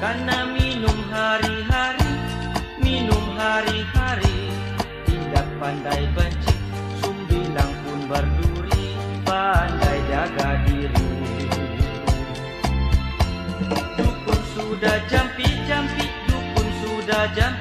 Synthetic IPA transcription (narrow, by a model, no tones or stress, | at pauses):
kanːaminumɦaːɾiɦaɾi | minumɦaːɾihaːɾi | t̪indak̚pandajbant͡ʃik̚ | sumbilaŋpunbarduɾi | baːandajd͡ʒaɡadiɾisiu | u | jukunsudad͡ʒampid͡ʒampit̪̚jukunsudad͡ʒam